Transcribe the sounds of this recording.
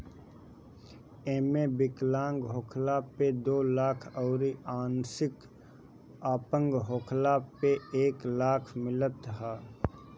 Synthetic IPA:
eːmẽbɪklãːŋɡɦoːkʰlaped̪oːlaːkʰɔːɾiaːnsɪk | aːpə̃ŋɡɦoːkʰlapeeːklaːkʰmɪlət̪ɦaː

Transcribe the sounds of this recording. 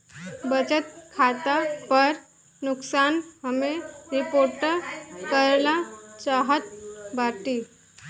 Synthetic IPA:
bət͡ɕət̪̚kʰat̪apəɾ | nuksanɦəmeɾipoɾʈəkəɾlat͡ɕaɦət̪̚baʈi

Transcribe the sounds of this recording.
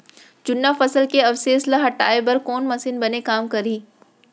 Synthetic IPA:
d͡ʒʊnːafɐsəlkeɐfseːslaɦɐʈa̰ːebɐɾkoːnmɐsinbɐnekaːmkɐɾiː

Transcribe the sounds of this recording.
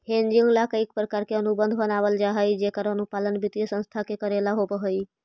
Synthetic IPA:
ɦẽnd͡ʒʊ̃ŋɡlakəik̚pɾəkaːɾkeənubə̃nd̪ʱbənaːʋəld͡ʒaɦəid͡ʒekəɾənupaːlənbɪt̪ijəsə̃nst̪ʰakekəɾelaɦopəɦəi

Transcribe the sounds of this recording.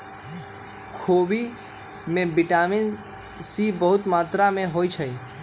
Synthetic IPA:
kʰoːbi | mẽbɪʈaːmɪn | sibəɦʊt̪maːt̪ɾamẽɦoːit͡ʃʰəi

